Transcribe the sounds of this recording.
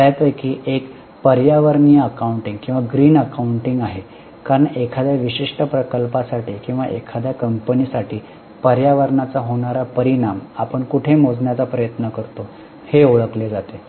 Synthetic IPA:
t̪ajpəjkiːʔek | pəɾjaʋəɾɳiːəəkauɳʈiŋɡkĩw̃ʋaɡɾiːnəkauɳʈiŋɡaɦe | kaɾəɳekʰad̪jaʋiɕiʂʈəpɾəkəlpasaʈʰiːkĩw̃ʋaʔḛkʰad̪jakəmpəniːsaʈiː | pəɾjaʋəɾɳat͡saɦoɽ̃aɾapəɾiɳamapəɳkuʈʰemod͡znjat͡sapɾəjət̪nəkəɾt̪o | heoɭəkled͡zat̪e

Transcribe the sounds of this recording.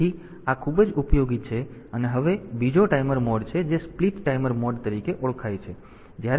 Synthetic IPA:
i | akʰubd͡ʒupjoɡit͡ʃʰeəneɦəʋebid͡ʒoʈaiməɾmɔɖt͡ʃʰed͡ʒespliʈːaiməɾmɔɖt̪əɾikeʔɔɭkʰajt͡ʃʰe | d͡ʒjaɾ

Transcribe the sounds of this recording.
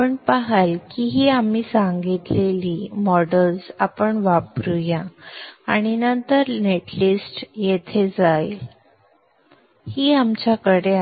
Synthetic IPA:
pəɳpaɦalkiɦiːamiːsãŋɡit̪leliːmɔɽəlsapəɳʋapɾujãː | ɽ̃inənt̪əɾneʈlisʈjet̪ʰed͡zaj | hiːamt͡ɕjakəɽe

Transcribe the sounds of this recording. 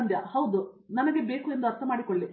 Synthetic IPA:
nd̪jɐhɐwd̪u | nɐmɐɡe̞be̞ːkue̞nd̪uɐɾt̪ʰɐmaːɽikoɭːi

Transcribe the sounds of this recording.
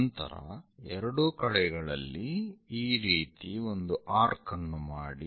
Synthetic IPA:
nt̪ɐ̰ɾɐ̰ɛɾɐɽukɐɭɛɡɐɭɐlːiː | ɾiːt̪io̞nd̪uʔaːɾkɐnːumaːɽi

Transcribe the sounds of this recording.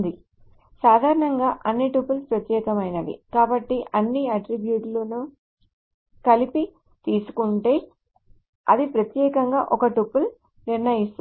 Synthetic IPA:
d̪i | saːd̪ʱaːɾɐɳɐŋɡaːʔɐnːiʈupːulspɾɐt̪jɛːkɐmɐjnɐd̪ḭkaːbɐʈːiʔɐnːiɐʈɾibjuːʈlunu | kɐlipi | t̪iːsu̥kuɳʈe̞ː | ɐ̰d̪ipɾɐt̪jɛːkɐŋɡa̰ːʔɔkɐʈupːul | niɾnɐjist̪

